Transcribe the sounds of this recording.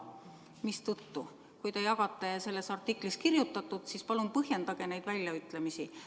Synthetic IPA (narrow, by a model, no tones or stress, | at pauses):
mist̪ut̪ːu | kujt̪ejɑɡ̥ɑt̪ˑːe̞se̞lːe̞sɑrt̪ːˑikˑliskirjut̪ːˑɑt̪ːˑud̪̥sispɑlumpɤɦje̞nd̪̥ɑɡ̥e̞ne̞jd̪̥vælʲːjɑyt̪ːˑle̞misi